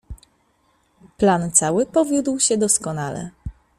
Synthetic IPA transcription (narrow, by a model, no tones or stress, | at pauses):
plant̪sawɘpɔvʲjud̪wɕɛd̪ɔskɔnalɛ̰